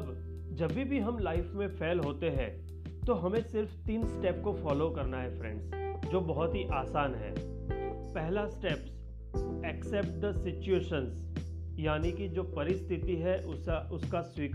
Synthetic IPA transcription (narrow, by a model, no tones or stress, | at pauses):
b | d͡ʒɐbːibʱiɦɐmlaːɪfmẽfʰeːlɦoːt̪eɦɛ̃ː | t̪oɦɐmẽsɪɾft̪iːnsʈɛːpkofɔːlokɐɾnaɦɛfɾɛ̰̃ɳɖsd͡ʒoːbɐɦʊt̪ɦiʔaːsaːnɦɛ̰ː | pɛɦlasʈɛps | ɛksɛp̚ʈ̚d̪əsɪt͡ʃueːʃəns | jaːnikid͡ʒoːpɐɾɪst̪ʰɪt̪iɦɛʔʊʊskaswiːk